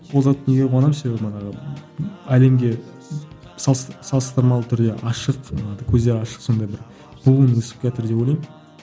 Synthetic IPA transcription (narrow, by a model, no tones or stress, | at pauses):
qʰozɑt̪neɡʲewɑnɑmse̞bebmɑnɑʁə | æle̞mɡʲe̞ | sɑsɑlˠəst̪əɾmɑlˠət̪ʰʏɾd̪e̞ʔɑʃəqkʲʰɵzd̪e̞ɾɑʃə̥qso̞nd̪ɑjbɪɾ | bulˠənwɵsɪ̥p̚kʲet̪ɪɾd̪e̞polʲˠɑjm